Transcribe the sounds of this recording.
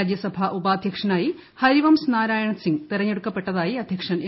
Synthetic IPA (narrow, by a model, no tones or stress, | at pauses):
d͡ʑjɐsɐbʱɐʔubaːd̪ʱjɐkʂɐnaːji | hɐɾiʋɐmsnaːɾaːjɐɳɐsiŋɡt̪irɐɲːeɽukːɐpːe̞ʈːɐðaːjiɐd̪ʱjɐkʂɐn